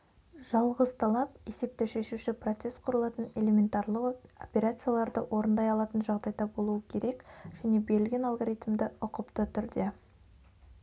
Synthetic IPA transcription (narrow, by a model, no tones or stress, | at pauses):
ʒ̥ɑlˠʁəzt̪ʰɑlˠɑpe̞se̞p̚t̪ɪʃe̞ʃuʃɪpro̞t̪se̞st̪qʰʊɾəlˠɑt̪əne̞lʲe̞mʲe̞nt̪ɑrlˠəqopʲeɾat̪sɨjalˠɑɾd̪əwʔo̞ɾənd̪ɑjɑlˠɑt̪ənʒɑʁd̪ɑjd̪ɑbo̞lˠuəkʲʰe̞ɾe̞kʒ̥æne̞be̞ɾɪlɡʲe̞nɑlˠɡoɾijt̪md̪ɪʊqəpt̪ət̪ʰʏɾd̪e̞